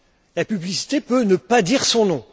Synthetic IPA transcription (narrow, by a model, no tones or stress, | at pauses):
lapyblisi̥t̪epønəpad̪iʁsɔ̃nɔ̃